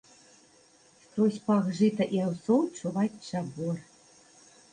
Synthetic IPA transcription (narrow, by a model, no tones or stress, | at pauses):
xt̪ɔsʲpaɣʐɨt̪ɐʔiawsɔwt͡ʂuvat͡sʲt͡ʂabɔr